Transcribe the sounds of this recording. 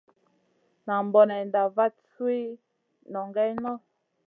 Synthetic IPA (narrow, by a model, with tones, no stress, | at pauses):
na˨mbɔ˨na˨nda˨va˦tswi˦ | nɔ˨ŋɡɛ˦nɔ˦